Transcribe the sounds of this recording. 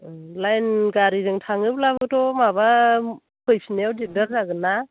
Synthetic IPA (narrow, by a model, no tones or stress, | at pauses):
lajnɡaɾizɯŋtʰaŋɯplabɯtɔmaβa | pʰɯjsnawdidɯɾzaɡɯna